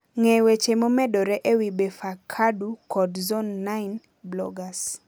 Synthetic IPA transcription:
ŋɛwet͡ʃemomɛdɔɾɛʔewibefakʰadukɔdzɔnːaɪn | blɔ̰ɡas

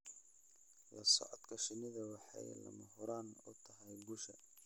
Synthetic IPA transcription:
lɐsɔʕɔd̪kʰɐʃɪnɪðɐwɑħɑ̰j̰lɐ̰mɐɦʊɾaːnʊt̪ʰɐɦɐjbʊʃɐ

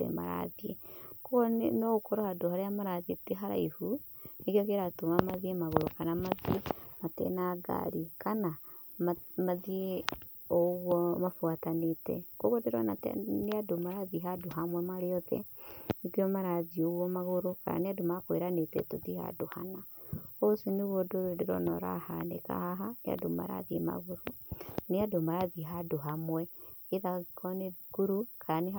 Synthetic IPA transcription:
ɛ̰ma̰ɾa̰ðiḛkoɔnɔɣokɔɾɔhadoɦaɾajamaɾaðieteɦaɾa̰ihu | nekiɔkeɾatomamaðiemaɣoɾokanamaðiematɛ̰naɡa̰ɾikana | mmaðie | ɔɣwɔmafuatanetɛ̰koɣodeɾɔnatneadomaɾaðiɦadoɦamwɛmaɾeɔðɛ̰ikiɔmaɾaðioɣwɔmaɣoɾoka̰ɾa̰neadomakweɾanetɛ̰toðiha̰doha̰naosineɣwɔdodeɾɔ̰nɔ̰ɾa̰hanḛka̰haɦanḛa̰doma̰ɾa̰ðiema̰ɣoɾo | neadomaɾaðiɦadoɦamwɛ | eðaikʰɔneðikuɾukʰaane

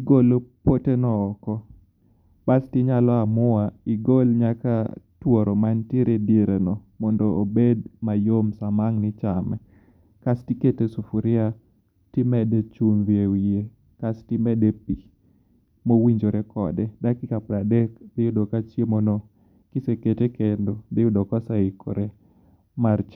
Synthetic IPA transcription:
ɡolopotenɔːkɔ | bastɪɲalɔamʊwaɪɡolɲakatwɔɾɔmanteɾediɾɛnɔ | mɔndɔːbed̚majomsamaŋnɪt͡ʃamɛ̰ | kastiketesufuɾɪa | tɪmɛdɛt͡ʃunðjewije | kastɪmɛdepi | mowiɲd͡ʒoɾekɔ̰dɛdakɪkapɾadɛkdɪjʊdokat͡ʃjemono | kɪseketekendodɪʊdɔkasaikʰo̰ɾe | mart͡ʃ

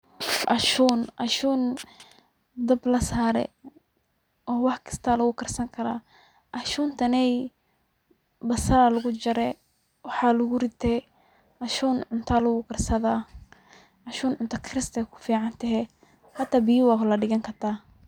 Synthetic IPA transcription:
ʔɐʃuːnʔɐʃuːn | d̪ɐblɐsaːɾɛ̰ | ɔːwɑħkʰɪ̥st̪ʰaːlɐɣʊkʰɐrsɐŋkʰɐɾa̰ː | ʔɐʃuːnt̪ʰɐnɛj | bɐsɐɾalɐɣʊt͡ʃɐɾɛ | wɑħɑːlʊɣʊrɪt̪ʰɛ | ʔɐʃuːnʕʊnt̪ʰaːlɐɣʊkʰɐrsɐðaː | ʔɐʃuːnʕʊnt̪ʰɐkʰɾɪst̪ʰɛkʰʊ̥fiːʕɑnt̪ʰɛɦɛ | ħɑt̪ʰaːbiwaklɐɖɪɣɐŋkʰɐrt̪ʰaː

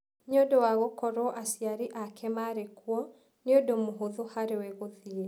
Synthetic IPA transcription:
ɲodowaɣokɔɾɔʔasiaɾiʔakʰɛmaɾekwɔ | neodomoɦoðohaɾeweɣoðie

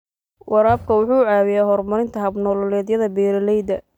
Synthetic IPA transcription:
wʔɑɾaːb̚kʰɐwʊħuːʕaːwɪjaːɦɔrmɐɾɪnt̪ʰɐɦɐbnɔːlɔlɛːd̪jɐðɐbɛːɾɐlɛjd̪ɐ

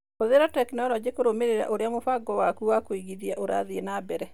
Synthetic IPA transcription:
koðeɾatɛknɔlɔd͡ʒekoɾomeɾeɾa̰ʔoɾeamofaɡɔwakuwakoiɡiðiaʔoɾa̰ðienabɛɾɛ

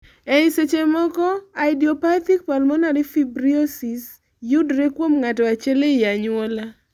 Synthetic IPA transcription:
ɛiset͡ʃemɔkɔaɪdiɔpat̪ik̚palmɔnaɾifibɾiosis | jʊdɾekwomŋatɔat͡ʃɛlejaɲʊwola

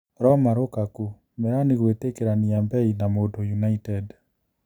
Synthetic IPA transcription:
ɾɔmaɾokaku | mɛaniɣwetekeɾaniambɛinamodojunaitɛd

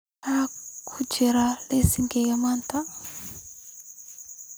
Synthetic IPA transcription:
akʰud͡ʒɛɾalesiŋɡejamant̪ʰa

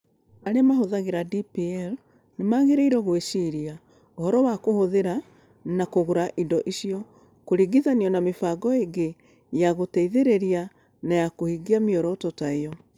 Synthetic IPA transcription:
aɾeamaɦoðaɣeɾadipiɛl | nemaːɣeɾeiɾɔɣweʃiɾia | ohɔɾɔwakohoðeɾa | nakoɣoɾaʔidɔʔiɕiɔ | koɾiɡiðaniɔnamefaɡɔeɡe | jaɣotɛiðeɾeɾia | najakohiɡiamiɔɾɔtɔtaeɔ

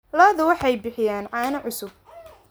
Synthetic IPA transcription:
lɐːðʊwɑħɑjbɪħɪjaːnʕɑːnɐʕʊsʊb̚

